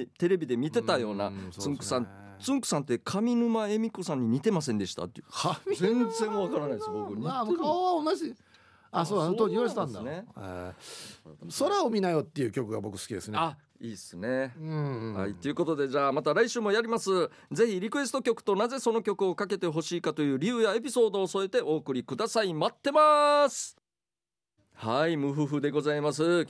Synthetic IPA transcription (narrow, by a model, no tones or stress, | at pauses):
t̪e̞ɾe̞bʲid̪e̞mʲit̪e̞t̪ajo̞ːna̰ɨ̃ŋkɯ̥sãnt͡sɨ̃ŋkɯ̟̥sãnt̪e̞kʰamʲinɯ̟mae̞mʲiko̞sãɲ̟ːiɲ̟it̪e̞mas̬ẽ̞nd̪e̞ɕi̥t̪a̰t̪ːekamʲizẽnd͡zẽ̞ɰ̃βakaɾanaisbokɯamokʰaoβaonaʑi | asot̪oɲijost̪ãnd̪ane | so̞ɾaomʲinajo̞t̪ːe̞jɯkʲo̞kɯ̟ɡabo̞kɯ̟̥sɨ̥kʲid̪e̞sɨnea | iːsɨnẽ̞ | ha̰it̪ːeiɯ̟ko̞t̪o̞d̪e̞ʑaːmat̪aɾaiɕɨːmo̞jaɾʲimasɨ | d͡ze̞çiɾʲikɯ̟e̞sɨ̥t̪o̞kʲo̞kɯ̟̥t̪o̞naze̞so̞no̞kʲo̞kɯ̟o̞kake̞t̪e̞ɦo̞ɕiːkat̪o̞jɯ̟ːɾʲijɯ̟ːjae̞pʲi̥so̞ːd̪o̞ːso̞et̪e̞ʔo̞ːkɯ̟ɾʲikɯd̪asaimat̪ːe̞masɨ̥ | haimɯ̟ɸɯ̟ɸɯ̟d̪e̞ɡo̞zaimas̬ɨ